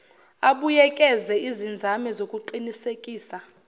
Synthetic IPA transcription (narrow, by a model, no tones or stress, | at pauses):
aɓujɛkʼɛzɛizind͡zʱamɛzokʼuǃinisekʼiːsa